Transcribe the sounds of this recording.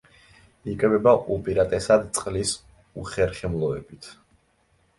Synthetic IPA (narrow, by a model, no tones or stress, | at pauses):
ikʼvɛbaʔupʼiɾat̪ʼɛsad̪t̪sʼqʼlis | uχɛɾχɛmlˠɔɛbit̪ʰ